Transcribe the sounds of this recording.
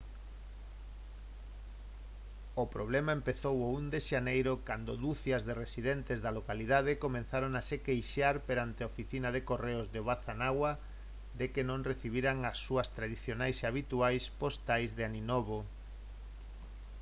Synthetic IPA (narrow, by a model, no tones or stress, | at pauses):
opɾoβ̞lɛmaempeθowound̪eʃanejɾokand̪oðuθjɐzðeresiðent̪ezðalokaliðað̞ekomẽn̟θaɾoŋasekejʃaɾpeɾant̪eaofiθinaðekoreozðeβaθanaɣwa | ðekenõŋreθiβ̞iɾaŋasːuɐst̪ɾaðiθjonajseaβit̪uajspost̪ajzðeaninoβo